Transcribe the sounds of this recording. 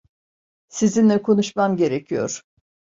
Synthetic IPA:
sizinlʲɛkʰo̞nuʃmamɟe̞ɾecʰijo̞̰ɾ̥

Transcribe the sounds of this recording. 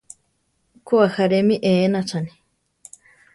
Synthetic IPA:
kuahaɾemĩʔeːnat͡ʃʰani̥

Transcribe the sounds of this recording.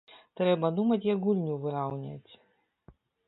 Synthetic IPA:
t̪ɾɛbɐd̪umɐtʲjɐɡulʲnʲuvɨɾawnʲɛ̰tʲ

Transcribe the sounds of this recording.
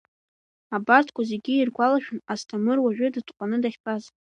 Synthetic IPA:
abartʰkʷazeɡʲiirɡʷalaʃᶣʊnastʰamɨrwaʒᶣʊdɨtʰʼqʷʼanɨdaχʲpʰaz

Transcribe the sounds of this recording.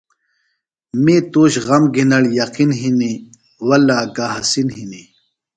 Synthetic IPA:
meːt̪oːɕɣɐmɡinɐɽjɐqinɦini | wɐlaːɡaɦɐsinɦini

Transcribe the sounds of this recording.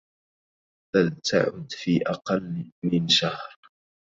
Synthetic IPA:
talt̪ʰa̰ʕʊ̰d̪fiːʔɑqɑlmɪnʃahɾ

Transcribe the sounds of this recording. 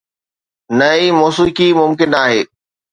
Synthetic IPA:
nɐimɔːsukimʊmkɪnaːɦeː

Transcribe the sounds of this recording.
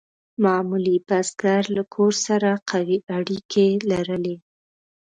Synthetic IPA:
mɑmulipasɡaɾlakʰoɾsaɾaqʰawiʔaɽikʰelaɾəle

